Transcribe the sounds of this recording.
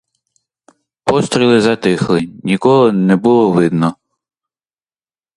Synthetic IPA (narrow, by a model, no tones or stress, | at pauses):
pɔst̪ɾʲilˠɪzɐt̪ɪxlˠɪnʲikɔɦɔnɛbʊlˠɔʋɪd̪nɔ